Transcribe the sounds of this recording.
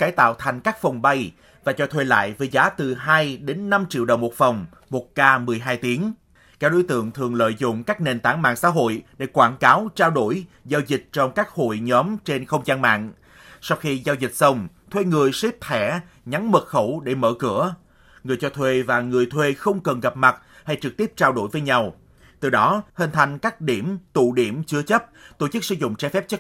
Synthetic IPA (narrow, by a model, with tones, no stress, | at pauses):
kaː˨˦jt̪a̰ː˧˨wt̪ʰa˨˩jŋ̟kaː˦˥k̚fə˨˩wŋ͡mɓa˧j | vaː˨˩t͡ɕɔ˧t̪ʰwe˧la̰ː˧˨jvəː˨˦jzaː˨˦t̪ɨ˨˩ɦaː˧jɗe˨˦nːa˧mt͡ɕḭ˧˨əwɗə˨˩wŋ͡mmo˨˩t̚fa˨˩wŋ͡m | mo˨˩t̚kaː˧mɨ˨˩əjɦaː˧jt̪i˨˦ən | kaː˦k̚ɗo̰˧˦jt̪ɨ̰˧˨əŋt̪ʰɨ˨˩əŋlə̰ː˧˨jzʊ̰˧˨ŋ͡mkaː˦˥k̚ne˨˩nt̪aː˧˩ŋma̰ː˧˨ŋsa̰ː˧˥ɦo̰˧˨jɗe˧˩kwaː˧˩nkaː˨˦wt͡ɕaː˧wɗo˧˩j | zaː˧wzï˨˩k̟̚t͡ɕɔ˧wŋ͡mkaː˦˥k̚ho̰˧˨jɲɔ˨˦mt͡ɕe˧nxə˧wŋ͡mzaː˧nma̰ː˧˨ŋ | sa˧wxi˧zaː˧wzi˨˩k̟̚sə˧wŋ͡mt̪ʰwe˧ŋɨ˨˩əjsi˦˥p̚t̪ʰɛ˧˩ | ɲa˨˦ŋmɨ˨˩xə˧˩wɗe˧˩mə̰ː˧˨kɨ̰˧˩ə | ŋɨ˨˩əjt͡ɕɔ˧t̪ʰwe˧vaː˨˩ŋɨ˨˩əjt̪ʰwe˧xə˧wŋ͡mkə˨˩nɣa˨˩p̚ma˨˩t̚ha˧jt͡ɕɨ˨˩k̚t̪i˦˥əp̚t͡ɕaː˧wɗo˧˩jvəː˨˦jɲa˧w | t̪ɨ˨˩ɗɔ˨˦hi˧nt̪ʰa˧jŋ̟kaː˦˥k̚ɗi˧˩əmt̪ṵ˧˨ɗi˧˩əmt͡ɕɨ˧ət͡ɕə˦˥p̚t̪o˧˩t͡ɕɨ˦˥k̚sɨ̰˧˦zʊ̰˧˨ŋ͡mt͡ɕɛ˧fɛ˦˥p̚t͡ɕə˦˥